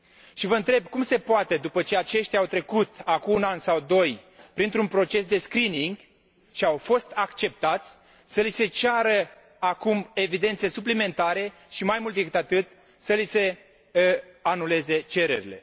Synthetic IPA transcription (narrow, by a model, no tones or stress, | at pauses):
ʃivəɨnt̪ɾe̞b̚kumse̞poat̪e̞d̪upət͡ʃe̞at͡ʃe̞ʃt̪jawt̪ɾe̞kut̪akuːnansawd̪o̞j | pɾint̪ɾunpɾo̞t͡ʃe̞sd̪e̞skɾiniŋɡ | ʃiawfo̞st̪akt͡ʃe̞p̚t̪at̪sʲ | səlise̞t͡ʃaɾə | akume̞vid̪e̞nt̪se̞suplime̞nt̪aɾe̞ʃimajmult̪d̪ekɨt̪at̪ɨt̪ | səlise̞ | anule̞ze̞t͡ʃe̞ɾe̞̰ɾḭle̞